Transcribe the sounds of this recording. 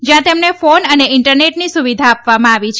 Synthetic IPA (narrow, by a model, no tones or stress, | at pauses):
d͡ʒjãt̪emnefonəneɪɳʈəɾneʈnisuʋid̪ʱaːpʋamãaʋit͡ʃʰ